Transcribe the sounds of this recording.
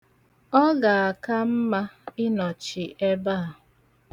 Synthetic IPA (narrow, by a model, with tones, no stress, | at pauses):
ɔ˦ɡa˨a˨ka˦m̩˦ma˦ɪ˦nɔ˨t͡ʃɪ˨ʔe˦ba˦a˨